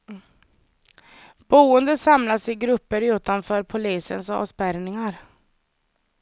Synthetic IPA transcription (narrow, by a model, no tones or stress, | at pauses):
b̥uːənd̪əsamlasɪɡɾɵpːəɾʉ̟ːt̪anfœːɾpʰʊliːsə̰nsɑ̰ːvspæɾnɪŋaɾ